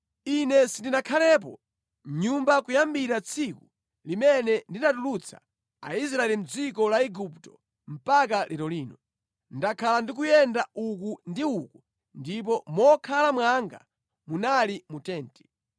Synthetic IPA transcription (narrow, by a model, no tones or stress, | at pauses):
inɛsindinakʰalɛːp̬ɔ̰ | ɲumbakujambiɾat͡sʰiku | limɛnɛndinatulut͡sʰa̰ | a̰is̬ɾaɛlim̩d͡zikɔlaɛɡuptɔ̥ | m̩pakalʔɛɾɔliːnɔ | ndakʰalandikujɛndauk̬undiuku | ndip̬ɔmɔkʰalamwaŋɡa̰ | munalimutɛːntɛ̥